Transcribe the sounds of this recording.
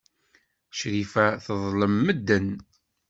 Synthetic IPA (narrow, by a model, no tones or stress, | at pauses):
ʃɾifæθəðˤləmːəd̪ːən